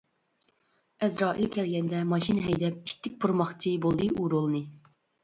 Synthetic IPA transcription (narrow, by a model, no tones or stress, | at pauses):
ɛzɾɑːʔḭlkʲʰɛlɡʲɛnd̪ɛmɑʃinɦɛjd̪ɛp̚iʃʲt̪ʰːɪk̚ʲpʰuɾmɑχt͡ʃʰɨbolˠd̪ɨʔuɾulˠɨnɨ